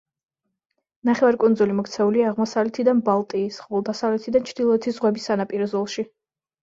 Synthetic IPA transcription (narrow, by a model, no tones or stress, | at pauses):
naχɛvaɾkʼund̪zulimɔkʰt̪sʰɛuliaːʁmɔsavlɛt̪ʰid̪anbalˠt̪ʼiːsχɔlˠd̪asavlɛt̪ʰid̪ant͡ʃʰd̪ilˠɔɛt̪ʰizʁwɛbisːanapʼiɾɔzɔlˠʃi